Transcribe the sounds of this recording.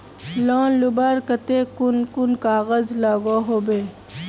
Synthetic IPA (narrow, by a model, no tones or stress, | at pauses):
lɔ̃ːlʊbaːɾkət̪ekʊnkʊnkaːɣəzlaːɡoɦoːbeː